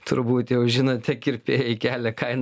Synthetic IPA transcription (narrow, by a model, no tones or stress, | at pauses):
t̪ʊɾbuːt̪jɛʊʒʲɪnoːt̪t̪ʲɛkɪɾpʲeːjɛɪkʲæːlʲɛkɐɪn